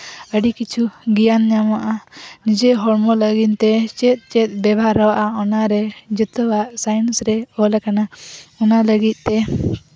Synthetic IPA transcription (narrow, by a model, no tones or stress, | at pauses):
əɖikit͡ʃʰuɡijanɲamaʔanid͡ʒɛɦɔɾmɔləɡint̪ɛt͡ʃɛt̪̚ˀt͡ʃɛt̪̚ˀbɛbʱaɾɔwaʔaɔnaɾɛd͡ʒət̪ɔwaʔsajnsɾɛɔlakanaɔnaləɡit̪̚ˀt̪ɛ